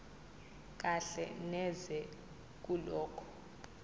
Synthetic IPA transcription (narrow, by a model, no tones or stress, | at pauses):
k̬ʼaɬɛ̰nɛzɛ | k̬ʼulɔːkʰɔ̥